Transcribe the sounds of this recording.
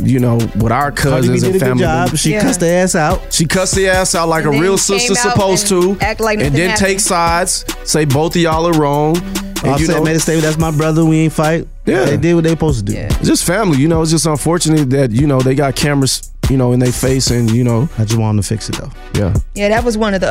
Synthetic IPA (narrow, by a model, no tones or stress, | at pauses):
jɨnoʊwɪɾaʊə˞kʰʌzɨ̃nizdɾɨɡfæʊ̃mld͡ʒɑlib̥ʃikkʰʌsiæsaʊt̚ʃikʰʌtstiæsaʊt̚ˡlaɪkəɹilˠsɪstəsəpʰoʊz̥tʰəlaɪɨ̃nðɨ̃ntʰeɪksaɪdz̥seɪboʊθðiɔlˠə˞ɹɔ̃ŋɨ̃jɨnmeɪðɨsteɪmɨ̃n̚ðætsmaɪbɹʌðə˞wĩnfaɪt̚ | jæðeɪdɪd̚wʌt̪̚ðeɪsəpʰoʊz̥tʰədʉ̰d̥ʌstfæ̃mlijɨnoʊətsd͡ʒ̥ʌs̬tə̃ɱfɔɹt͡ʃɨnɨtðɨt̚jɨnoʊðeɪɡɑt̚kʰæ̃mɹɨs | jɨnoʊɨ̃nðeɪfeɪsɨ̃njɨnoʊaɪd͡ʒʌst̚wɑ̃ñə̃ntʰəfɪksɨt̪̚ðo̰ʊ | jæ̰jæðɨt̚wʌzwʌ̃nʌvði